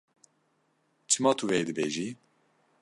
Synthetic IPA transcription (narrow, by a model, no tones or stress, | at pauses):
t͡ʃʰɨmɑːt̪ʰuveːd̪ɨbeːʒiː